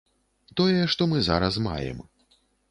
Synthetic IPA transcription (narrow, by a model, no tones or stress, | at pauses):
t̪ɔjɛʂt̪ɔmɨza̰ɾɐsma̰jɛ̰m